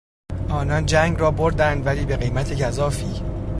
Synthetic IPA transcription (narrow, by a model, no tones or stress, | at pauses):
ʔɒːnɒnd͡ʒæːŋɡrɒːboɾd̪ænd̪væliːbe̞ɣejmæt̪ʰecʰæzɒːfiː